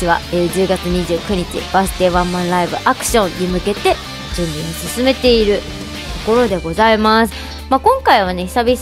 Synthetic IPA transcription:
iβa̰ed͡ʑɨːɡat͡sɨɲ̟iʑɨːkɯ̟ɲ̟it͡ɕḭb̥asɨ̥t̪e̞ːβãmːãnɾaibɯ̟ʔakɯ̟̥ɕõ̞ɲɲimɯ̟ke̞t̪e̞ | d͡ʑɨ̃mbɯ̃ɲ̟ːisɨsɨme̞t̪e̞iɾɯ̟ | t̪o̞ko̞ɾo̞d̪e̞ɡo̞zaimasɨ̥ | maːkõ̞ŋkaiβ̞ane̞çi̥sabʲi

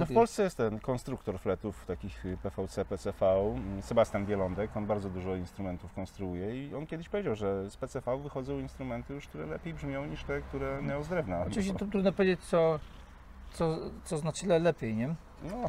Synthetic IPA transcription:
nɔfpɔlssɛjɛst̪t̪ɛnkɔnst̪ɾukt̪ɔɾflɛt̪uft̪akʲixpɛfawt̪sɛpɛt̪sɛfausɛbast̪ʲjanbʲjɛlɔnd̪ɛkɔnbaɾd̪zɔd̪uʐɔinst̪ɾumɛnt̪ufkɔnst̪ɾuujɛiɔnkʲɛd̪ɘɕpɔvʲed͡ʑawʐɛspɛt̪sɛfauvɘxɔd̪zɔ̃w̃inst̪ɾumɛnt̪ɘjuʂk̚t̪uɾɛlɛpʲejbʐmʲjɔ̃w̃ɲiʂt̪ɛk̚t̪uɾɛɲaɔzd̪ɾɛvnaɔɨviɕt͡ɕɛt̪ɾud̪nɔpɔvʲed͡ʑet͡ɕt̪sɔ | t̪sɔt̪sɔznat͡ɕɛlɛlɛpʲjejɲɛ | nɔ

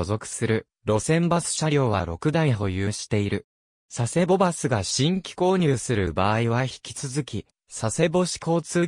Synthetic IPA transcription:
ozo̞kɯ̟̥sɨɾɯ̟ | ɾo̞sẽ̞mbasɨ̥ɕaɾʲo̞ːβa̰ɾo̞kɯ̟d̪ãĩɦo̞jɯːɕi̥t̪e̞iɾɯ̟ | sase̞bo̞basɨɡaɕĩŋkʲi̥ko̞ːɲ̟ɨːsɨɾɯ̟baːiβaçi̥kʲi̥t͡sɨzɨkʲi | sase̞bo̞ɕi̥ko̞ːt͡sɨː

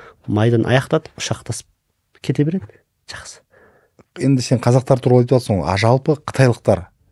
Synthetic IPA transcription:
mɑjd̪ɑnʔɑ̰jɑqt̪ɑt̪ə̥ʊ̥ʃɑqt̪ʰɑsə̥p̚ | kʲʰe̞t̪e̞beɾe̞d̪ɪ | ʒ̥ɑqsə̥ | je̞nd̪ɪseɴqʰɑzɑq̚t̪ɑɾt̪ʰʊɾlˠɑejt̪ɑt̪əsoɴɑ̰ʒɑlˠpəqʰə̥t̪ʰɑjlˠəq̚t̪ɑɾ

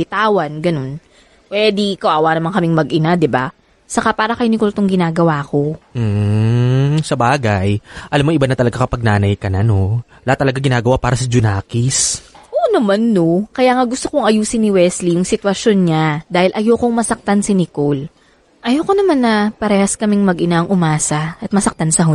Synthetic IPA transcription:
bɪt̪aːwɐnɡɐno̞n | pwɛːd̪ɪkɐwʔaːwaːnɐmaŋkɐmɪŋmɐɡʔɪnad̪ɪba̰ | sɐkapaːɾɐkɐjnɪkolt̪oŋɡɪnaːɡɐwaːko̞m̩ː | sɐbaːɡɐjʔɐlamːoŋʔɪbanɐt̪ɐlɐɡakɐpɐɡ̚naːnɐjkɐnano | lɐat̪ːɐlɐɡaɡɪnaːɡɐwapaːɾɐsɐd͡ʒʊnaːkɪsʔoːʔnɐmanːokɐjaːŋɐɡʊst̪okoŋɐjuːsɪnːɪwɛslijʊŋsɪt̪wɐsonɲad̪aːhɪlʔɐjoːkoŋmɐsɐk̚t̪ansɪnɪkol | ʔɐjokonɐmanːɐpɐɾɛːhɐskɐmɪŋmɐɡʔɪnaʔɐŋʔʊmaːsɐɐt̪̚mɐsɐk̚t̪ansɐɦʊ

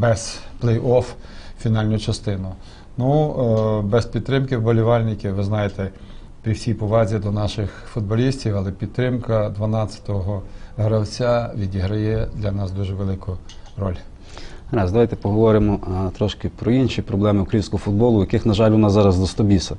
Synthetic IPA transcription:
bɛz̥plˠɛjɔffʲinɑlʲnʊt͡ʃɐst̪ɪnʊ | nu | bɛspʲid̪̚t̪ɾɪmkɪwbɔlʲiʋɑlʲnɪkʲɪʋɪznɑjet̪ɛ | pɾʲiwsʲijpɔʋɑzʲid̪ɔnɑʃɪxfʊd̪̚bɔlʲisʲtʲiwɐlˠɛpʲid̪̚t̪ːɾɪmkɐd̪ʋɐnɑt͡sʲɐ̥t̪ɔɦɔɦɾɐwt͡sʲaʋʲidʲiɦɾɐjɛd̪lʲɐnɑsd̪uʒɛʋelˠɪkʊ | ɾɔ̰lʲ | ɾazd̪ɐʋajt̪ɛpɔɦɔʋɔɾɪmɔt̪ɾɔʃkɪpɾɔinʃipɾɔblˠɛmɪʊkɾɐjinsʲkɔɦɔfʊd̪̚bɔlˠʊjɐkɪxnɐʒɑlʲɔnɑsːɑɾɐzd̪ɔst̪ɔbʲisɐ

